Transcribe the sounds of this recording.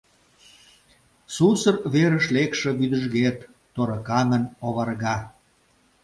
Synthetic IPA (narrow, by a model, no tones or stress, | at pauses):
susərβeɾəʃlekʃĕβyd̪əʒɣet̪ː | oɾəkɑŋənoβɑrɣɑ